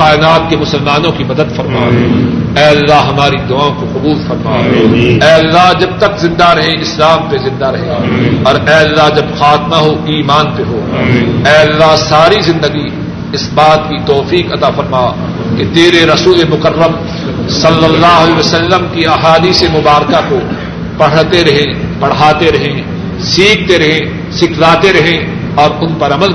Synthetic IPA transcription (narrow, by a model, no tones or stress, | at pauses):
aːɪnaːt̪̚kemʊsəlmaːnõkimɐd̪əd̪fɐɾmaːɛːɐlːaɦɦɐmaːɾid̪ʊaːõkoqʊbuːlfɐɾmaːɛːɐlːaɦd͡ʒɐb̚t̪ɐkzɪ̃nd̪aɾɐɦẽʔɪslaːmpezɪ̃nd̪aɾɐɦẽɔːɾɛːɐlːaɦd͡ʒɐbxaːt̪maɦoiːmaːnpeɦoɛːɐlːaɦsaːɾizɪ̃nd̪əɡi | ɪsbaːt̪kit̪ɔːfiːkɐt̪afɐɾmaː | ket̪eːɾeɾɐsuːlemʊkərːəm | sɐlːəlːaːɦɐleʋəsəlːəmkiaɦaːd̪iːsemʊbaːɾkako | pɐɽ̤t̪eɾɐɦẽpɐɽ̤aːt̪eɾɐɦẽ | siːkʰt̪eɾɐɦẽ | sɪkʰlaːt̪eɾɐɦẽ | ɔːɾʊnpɐɾɐməl